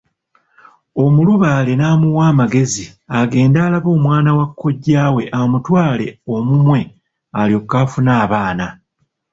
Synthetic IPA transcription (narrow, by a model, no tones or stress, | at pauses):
o̞muluβaːle̞naːmuwaːmaɡe̞ziaɡe̞ːndaːlaβo̞ːmwaːnawakʰːo̞ɟːaːwe̞ʔamutwaːle̞o̞mumwe̞ | aljo̞kːaːfunaːβaːna